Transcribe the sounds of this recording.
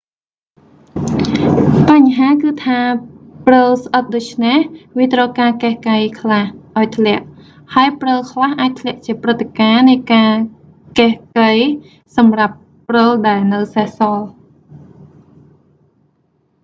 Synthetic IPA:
paɲɦaːkɨːt̪ʰaːprəlsʔət̪̚ɗoːc̚t͡ɕʰnehʋiət̪rɔkaːkehkəjkʰlahʔaɔjt̪ʰlɛ̆əʔ | haəjprəlkʰlahʔaːc̚t̪ʰlɛ̆əʔt͡ɕiəprɨt̪ʰːekaːnɨjkaː | kehkəj | sɑmrapː | rəlɗaɛlnɨwsahsɑːl

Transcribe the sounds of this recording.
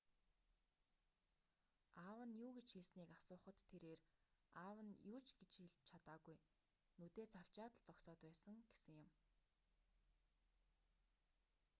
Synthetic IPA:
aːwə̆njuːɡet͡ɕxeɮsniːkasʊːχə̆t̪ʰːeɾeːraːwə̆njuːt͡ɕɡet͡ɕxeɮt͡ɕʰat̪aːɣuj | nut̪eːt͡sʰaw̥t͡ɕaːt̪ə̆ɮt͡sɔksɔːt̪pæːsə̆ŋɡesɘ̆ŋjʊm

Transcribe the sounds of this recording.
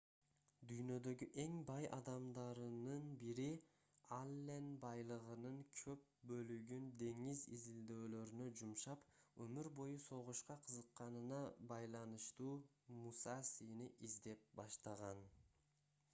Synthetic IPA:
d̪yjnø̞d̪ø̞ɡyʔe̞ŋbɑjʔɑ̰d̪ɑmd̪ɑɾɯnɯnbiɾi | alʲːenbɑjlˠɯʁɯnɯŋkʰø̞p̚bø̞lyɡynd̪e̞ŋizizild̪øːlø̞ɾynø̞d͡ʒumʃɑpømyɾbo̞juso̞ʁuʃqɑqʰɯzɯqːɑnɯnɑbɑjlˠɑnɯʃt̪uː | musɑsiniʔizd̪e̞p̚bɑʃt̪ɑʁɑn

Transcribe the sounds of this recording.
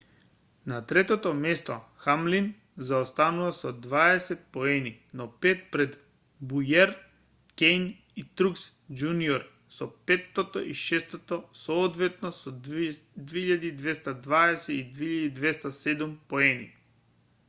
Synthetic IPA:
nat̪ɾɛt̪ɔt̪ɔmɛst̪ɔxamlin | zaɔst̪anuvasɔd̪vaɛsɛt̪̚poɛninɔpɛt̪̚pɾɛd̪ | bujɛɾ | kʲɛjn | it̪ɾuks | d͡ʒuniɔɾ | sɔpɛt̪ːot̪ɔ̰ʔiʃɛst̪ot̪ɔsɔːt̪vɛt̪nɔsɔd̪veiʎad̪id̪vɛst̪ad̪vaɛsɛid̪veiʎad̪id̪vɛst̪asɛd̪umpoɛnḭ

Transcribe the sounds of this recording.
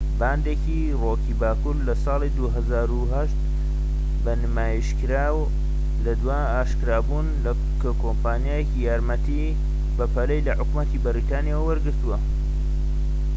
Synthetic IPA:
baːnd̪eːki | rokiːbaːkuɾlɐsɑːlˠid̪uɦɐzaːɾuɦɐʃt̪ | bɐnɨmaːjiʃkɨɾaːw | lɐd̪waːaːʃkɨɾaːbuːnlɐ | kɐkʰoːmpaːnijaːjecijaːɾmɐt̪i | bɐpʰɐlɐjlɐħʊkmɐt̪ibɐɾit̪aːnijawwɐɾɡɨɾt̪uwɐ

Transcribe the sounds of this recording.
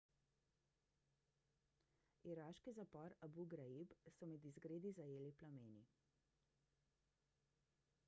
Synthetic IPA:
iɾaʃkizapɔɾabuɡɾaibsɔmɛd̪izɡɾeːd̪izajeːliplameːni

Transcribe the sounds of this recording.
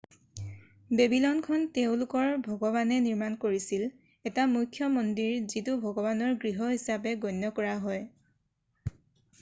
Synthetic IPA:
debilɔnkʰɔnteʊ̃lʊkɔɹbʱɔɡɔβanɛniɹmankoɹisil | ɛtamujkʰjɔmɔndiɹzitubʱɔɡɔbanɔɹɡɹiɦɔɦisapɛɡɔnːɔkɔɹaɦɔj

